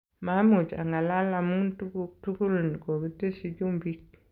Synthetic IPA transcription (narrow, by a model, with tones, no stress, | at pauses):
ma˨˦mu˨t͡ʃa̰˨ŋɡa˨la˦la˨mu˦ntu˦ku˦tu˦ku˦ln˨ko˨ki˦te˦si˦d͡ʒu˦mbi˦k̚